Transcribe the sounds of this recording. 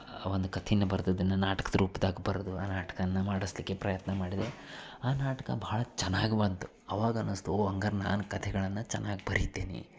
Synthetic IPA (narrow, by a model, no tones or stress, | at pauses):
ʋond̪ukɐt̪ʰnːɐbɐɾd̪uid̪ɐnːɐnaːʈɐ̥kɐd̪ɾuːpd̪aːɡibɐɾod̪uaːnaːʈɐ̥kɐnːɐmaːɽislikːe̞pɾɐjɐt̪nɐmaːɽid̪e | aːnaːʈɐ̥kɐ̰bɐaɭɐt͡ʃɛnːaːɡibɐnt̪u̥ | ɐʋaːɡɐɐnɐst̪uoɐŋɡɐɾna̰ːnukɐt̪ʰɛɡɐɭɐnːɐt͡ʃɛnːaːɡibɐɾit̪ːeːnḭ